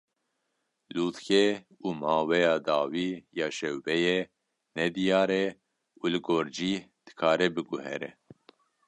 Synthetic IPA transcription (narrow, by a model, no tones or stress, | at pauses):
luːt̪xɛ | uːmɑːwɛjɑːd̪ɑːwiːjɑːʃɛwbɛjɛ | nɛd̪ijɑːɾɛ | uːlɨɡoːɾd͡ʒiːd̪̥ɨ̥kʰɑːɾɛbɨɡuhɛ̰ɾɛ̰